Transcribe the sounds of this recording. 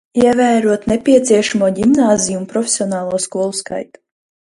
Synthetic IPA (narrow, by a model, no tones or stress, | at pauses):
iɛvæːɾuɔt̪nepʲiɛt̪siɛʃamuɔɟʲimnaːzʲijunpɾɔfʲe̥sʲiɔnɑːlˠuɔskuɔlˠuska̰jt̪u̥